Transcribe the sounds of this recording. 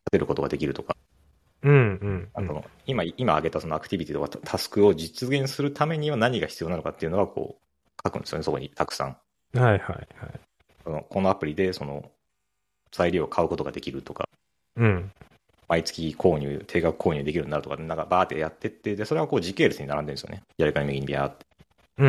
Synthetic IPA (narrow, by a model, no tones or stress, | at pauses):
t̪at̪e̞ɾɯ̟ko̞t̪o̞ɡa̰d̪e̞kʲiɾɯ̟t̪o̞ka | ɯ̟̃ɯ̟̃ɴasono̞̰ | imaiimaːɡe̞t̪aso̞noakɯ̥t̪ʲibʲit̪ʲit̪o̞kat̪ʰasɨ̥kɯ̟o̞d͡ʑit͡sɨɡẽ̞ɰ̃sɨɾɯ̟t̪ʰame̞ɲ̟iβanaɲ̟iɡaçi̥t͡sɨijo̞nanokat̪ːeiɯ̟noɡakʰo̞̰ː | kʰakɯ̟nd̪eɨjoeso̞ko̰ɲ̟it̪ʰakɯ̟̥sã̰ŋ | haiha̰ihai | so̞no̞kʰo̞noapɯ̟ɾʲid̪e̞so̞no̞̰ | z̥aiɾʲiːokʰaɯ̟ko̞t̪o̞ɡad̪e̞kʲiɾɯ̟t̪o̞ka̰ | ɯ̃ɴ | mait͡sɨ̥kʲikʰo̞ːɲ̟ɨ̰ːt̪ʰe̞ːɡakɯ̟̥kʰoːɲɨ̟ːd̪e̞kʲiɾɯ̟ninaɾt̪okanaŋkabaːt̪ːejat̪ːe̞t̪ːe̞d̪e̞so̞ɾe̞βako̞ːʑike̞ːɾɯsɨɲinaɾãnd̪end̪esɨjo̰nejaɾɯkaɲimeɡiɲ̟ibʲia̰t̪ːe̥